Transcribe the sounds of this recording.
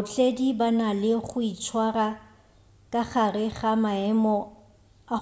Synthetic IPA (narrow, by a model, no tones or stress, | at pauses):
ʊt͡ɬʼedibanalɪχʊit͡ʃʰwara | kʼaχarɪχamaɛmɔ | a